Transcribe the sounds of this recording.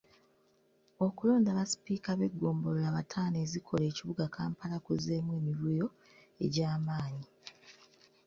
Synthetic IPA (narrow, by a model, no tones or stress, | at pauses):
o̞kulo̞ːndaβasi̥piːkaβe̞ɡːo̞ːmbo̞lolaːβatʰaːne̞ːzikʰo̞le̞ːciβuɡakʰaːmpalakuze̞ːmwe̞ːmiβwijo̞ | e̞̰ɟaːmaːɲi